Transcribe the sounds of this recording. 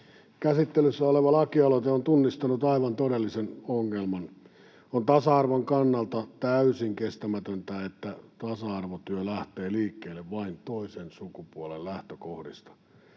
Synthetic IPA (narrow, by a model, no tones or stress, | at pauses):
kæsit̪ːelysːæoleʋɑlɑkiɑlot̪eont̪unːist̪ɑnut̪ɑiʋɑnt̪odelːisenoŋːelmɑn | ont̪ɑsɑɑrʋoŋkɑnːɑlt̪ɑt̪æysiŋkest̪æmæt̪ønt̪æet̪ːæt̪ɑsɑɑrʋot̪yølæht̪eːliːkːeːlːeʋʋɑint̪oisensukupuolellæht̪økohdist̪ɑ̥